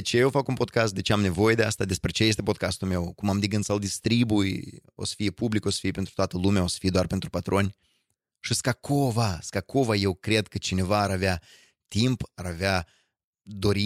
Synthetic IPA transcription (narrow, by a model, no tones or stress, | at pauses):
et͡ʃejewfakunpo̞d̪̚kast̪̚d̪e̞t͡ʃeamne̞vo̞je̞d̪east̪ad̪e̞spɾe̞t͡ʃe̞jest̪epo̞d̪̚kast̪ulme̞wkumamd̪eɡɨnt̪sald̪ist̪ɾibujo̞̰sə̥fijepubliko̞sə̥fijepent̪ɾu̥t̪oat̪əlumeao̞sə̥fijed̪oarpe̞nt̪ɾupat̪ɾo̞nʲ | ʃiskakʰo̞vaskako̞vaje̞wkɾe̞d̪kət͡ʃine̞vaːɾavea | t̪impaɾavea | d̪o̞ɾi